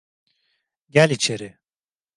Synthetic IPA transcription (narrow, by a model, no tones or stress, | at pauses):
ɟælʲit͡ʃʰeɾɪ